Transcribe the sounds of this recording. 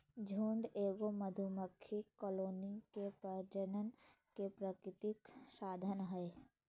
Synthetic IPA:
d͡ʒʱuːɳɖeːɡoməd̪ʱuməkʰːikɔːloːnikepəɾd͡ʒənən | kepɾəkɾɪt̪ɪksaːd̪ʱənɦɛ

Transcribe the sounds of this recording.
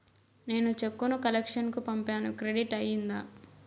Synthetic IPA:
ne̞ːnut͡ʃekːunukɐlekʂɐnkupɐmpaːnukɾeɽiʈɐjind̪aː

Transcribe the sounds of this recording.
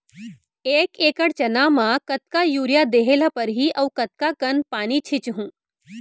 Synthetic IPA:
eːkeːkəɽt͡ʃɐnaːmãːkɐt̪kajuːɾjad̪eːɦeːlapɐɾɦiːʔɐwkɐt̪̚kakɐnpaːnit͡ʃʰɪt͡ʃɦũː

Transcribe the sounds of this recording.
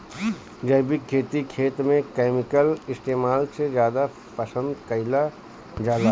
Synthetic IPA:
d͡ʒəɪbɪkkʰːeːt̪ikʰeːt̪mẽkeːmɪkəlɪsʈ̪eːmaːlsed͡ʒjaːd̪a | pəsə̃nd̪kəɪla | d͡ʒaːla

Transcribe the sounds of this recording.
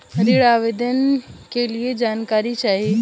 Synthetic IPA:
ɾiɭaʋed̪ənkelied͡ʒaːnkaɾit͡ʃaɦi

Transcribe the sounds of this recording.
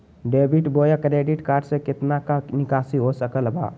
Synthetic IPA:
ɖeːbiʈboːjakɾeːɖiʈkaːɾɖsekɪt̪nakanɪkaːsiɦosəkəlba̰

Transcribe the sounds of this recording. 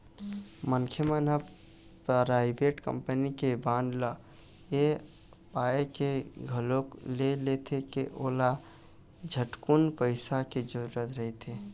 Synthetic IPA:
mənkʰjəmənə | pɾaɪbeʈkə̰mpənikebãnd̪lə | e | paekeɡʱəloklelet̪ʰekeʔola | d͡ʒʱəʈkunpəɪsaked͡ʒoɾət̪ɾəɦet̪ʰe

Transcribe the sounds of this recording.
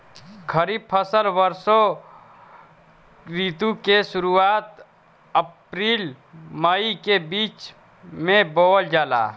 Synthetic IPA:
kʰəɾiːb̚pʰəsəlwəɾso | kɾit̪ũkeʃʊɾuaːt̪ | əpɾiːl | məikebiːt͡ʃ | mẽboːld͡ʒaːla̰ː

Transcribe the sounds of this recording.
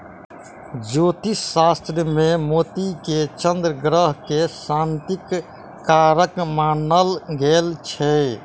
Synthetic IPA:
d͡ʒot̪isast̪ɾjəmemot̪iket͡ʃənd̪ɾəɡɾəɦkesant̪ikː | aɾəkmanəlɡelt͡ʃʰɛ

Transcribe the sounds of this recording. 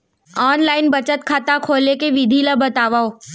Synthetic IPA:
ɔːnlaːɪnbɐt͡ʃət̪kʰaːt̪akʰoːlekeʋɪd̪ʱilabɐt̪aːʋao

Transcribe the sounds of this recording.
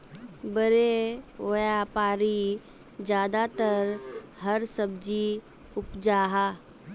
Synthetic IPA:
bəɾeoːjaːpaːɾi | d͡ʒjaːd̪at̪əɾɦəɾsəb̚d͡ʒi | ʊpd͡ʒaːɦaː

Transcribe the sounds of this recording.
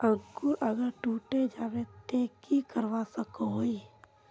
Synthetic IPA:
əɡuɾʔəɡəɾʈuːʈed͡ʒaːɾet̪eːkikəɾʋasəkooi

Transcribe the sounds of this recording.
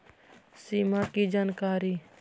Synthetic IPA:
siːmakid͡ʒaːnkaːɾiː

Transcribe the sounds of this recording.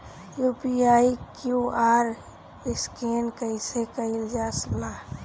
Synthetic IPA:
juːpiaːikjuaːɾ | ɪskeːnkəɪsekəɪld͡ʒaːslaː

